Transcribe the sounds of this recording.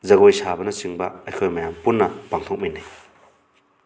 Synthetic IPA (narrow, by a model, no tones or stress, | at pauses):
zɐɡojsabɐnɐsiŋbɐɐjkʰojmɐjampunːɐpaŋt̪ʰok̚minaj